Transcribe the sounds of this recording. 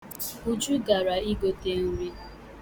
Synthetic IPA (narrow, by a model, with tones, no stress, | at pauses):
u˦d͡ʒu˦ɡa˨ɾa˨i˦ɡo˨te˦ŋ̩˦ɾi˦